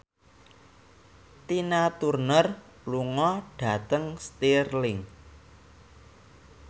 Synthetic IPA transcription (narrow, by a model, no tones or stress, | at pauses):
t̪inat̪urnər | luŋɔɖ̥ä̤t̪əŋst̪irlɪŋ